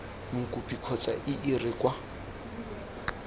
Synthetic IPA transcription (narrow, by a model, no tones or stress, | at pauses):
ŋ̩kʼupʼikʰɔt͡sʼa̰ʔɪʔɪrɪkʼwa